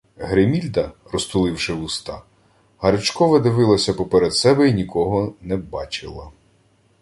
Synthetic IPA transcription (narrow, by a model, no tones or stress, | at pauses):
ɦɾɪmʲilʲd̪ɐrɔst̪ʊlˠɪwʃɪwust̪ɑ̰ | hɐɾɪt͡ʃkɔʋɐd̪ɪʋɪlˠɐsʲɐpɔpeɾed̪sɛbɛinʲikɔɦɔnɛbɑt͡ʃɪ̰lˠɐ